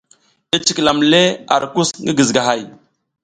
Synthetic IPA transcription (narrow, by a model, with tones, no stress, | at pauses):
i˦t͡ʃi˨kla˨mle˦a̰˨ɾku˦sŋɡi˦ɡi˨zɡa˨ɦa˦˨j